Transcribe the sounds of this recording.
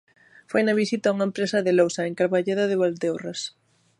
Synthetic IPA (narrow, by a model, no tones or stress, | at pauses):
fojnɐβisit̪auŋɐempɾesɐðɪlowsaeŋkaɾβaʎeðɐðɪβald̪ewras